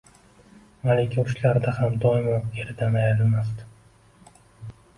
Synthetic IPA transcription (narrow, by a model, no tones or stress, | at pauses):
malekʲʰɪʊʃlaɾd̪ahamd̪ɒɪmɒnɡʲeɾɪd̪anajɾɪlmast̪ɪ̥